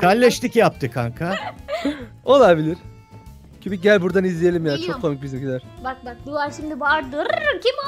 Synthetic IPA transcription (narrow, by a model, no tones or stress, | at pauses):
kʰalʲːɛʃt̪icjap̚t̪ʰɯkʰa̰ŋkʰa | o̞lˠabilʲiɾ̥ | cʰibiɟælʲbuɾd̪anizlʲije̞lʲimjaːt͡ʃʰo̞kʰːo̞mic̚bizimɟid̪æɾ̥bak̚bak̚bulaɾʃimd̪ibaɾd̪ɯɾcʰʲim